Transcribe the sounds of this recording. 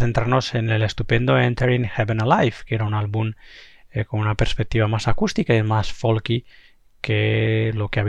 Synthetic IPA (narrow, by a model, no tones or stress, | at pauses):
θent̪ɾaɾnosenelest̪upend̪oẽnt̪eɾiŋxeβenalajfkeɾaunalβum | konunapeɾspek̚t̪iβamasakust̪ikaemasfolki | kʰelokeaβ